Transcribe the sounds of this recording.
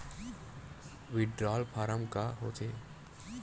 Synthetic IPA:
ʋɪɖɾaːlpʰaːɾəmkaɦo̰ːt̪ʰeː

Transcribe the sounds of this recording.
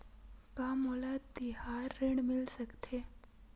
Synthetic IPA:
kamolad̪ihaɾːeɳmɪlsəkt̪ʰe

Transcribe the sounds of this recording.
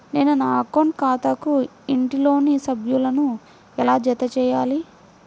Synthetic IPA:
neːnunaːkonkaːt̪ɐku | iɳʈilo̞ːnisɐbʱjulɐnu | ɛlaːd͡ʒɛt̪ɐt͡ʃɛːjaːli

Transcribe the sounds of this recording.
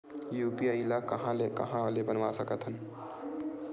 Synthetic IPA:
juːpiaːilakɐɦãlekɐ̰ɦãlebənʋasəkət̪ɦən

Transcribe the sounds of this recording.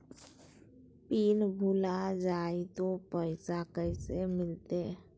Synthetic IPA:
piːnbʱulad͡ʒaːit̪opəɪsakəɪsemɪlt̪e

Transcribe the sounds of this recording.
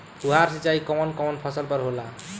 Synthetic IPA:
puɦaɾsit͡ʃaikɔmʌnkɔmʌnpʰʌsəlpʌɾɦola

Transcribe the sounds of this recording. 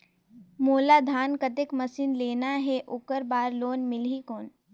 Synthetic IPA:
moːlad̪ʱaːnkət̪ekmɐsiːnleːnaɦɛʔʊkəɾbaːɾloːnmɪlɦikoːn

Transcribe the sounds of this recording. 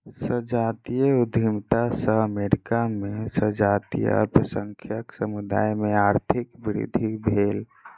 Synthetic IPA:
səd͡ʒaːt̪ijəud̪ʱimt̪asəɦəmeɾikamẽsəd͡ʒaːt̪ḭjə̰pɾəsəŋkʰjəksəmud̪a̰ːjmẽaɾt̪ʰikbɪɾḭd̪ʱibʱeːl

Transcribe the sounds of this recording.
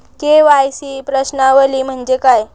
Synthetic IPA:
keʋajsiːpɾəɕnaʋəliːm̤əɳd͡ʑekaj

